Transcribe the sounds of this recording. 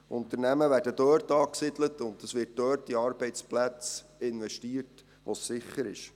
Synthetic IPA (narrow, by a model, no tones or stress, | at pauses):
ʔʊnt̪əɾnæməʋæːɾdəd̥øːɾtɑːksɪdlətʊndəsʋɪrt̚dœːrtiɑːɾb̥ɛɪt͡splæt͡sɪnʋɛʃtiːət | ʋosːɪχəɾɪ̰ʃ